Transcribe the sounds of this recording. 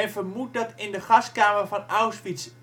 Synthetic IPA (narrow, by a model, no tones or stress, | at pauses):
ɛnvəɹmut̚dɑtɪndəχɑskaːməɹvɑnawsfits